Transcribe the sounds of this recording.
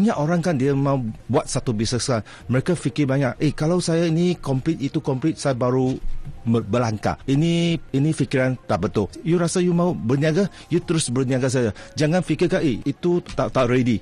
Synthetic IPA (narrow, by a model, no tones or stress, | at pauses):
aɲaʔoɾaŋkandiamãubuat̪̚sat̪ubisəskan | məɾekafikɪbaɲaʔʔekalawsajainikɔmplit̪it̪ukɔmplit̪̚sajabaɾuəbəlaŋka̰iniinifikiɾant̪aʔbət̪ʊljuɾasajumãubərniaɡa | jut̪əɾʊsbərniaɡas̬ajad͡ʒaŋanfikɪkaʔeit̪ut̪aʔt̪aʔredi